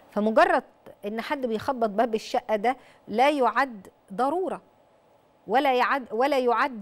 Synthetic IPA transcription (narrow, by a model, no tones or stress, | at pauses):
fæmoɡɑrˤːɑd̪̚ʔenːħad̪ːbejxɑbːɑt̪̚ˤbæbeʃːæʔːæd̪æ | læːjoʕad̪ | d̪ˤɑɾˤuːɾˤɑ | wælæjʕad̪wælæːjoʕad̪ː